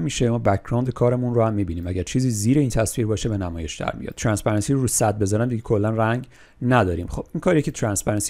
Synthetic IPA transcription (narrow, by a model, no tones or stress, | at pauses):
miʃemɒːbækʰɾɑwnd̪ekʰɒːɾemunrohæmːiːbiːniːmæɟæɾt͡ʃʰiːziːziːɾeiːnt̪ʰæsviːɾbɒːʃebe̞næmɒːje̞ʃd̪æ̰ɾmḭjɒ̰t̪t̪ʰɾænsbæɾɑnsiːɾoɾuːsæd̪̚be̞zɒːɾænd̪iɟekʰo̞lːænræŋɟ | næd̪ɒːɾḭːmχo̞b̥iːnkʰɒːɾiecʰe̞t̪ʰɾænsbæɾɑns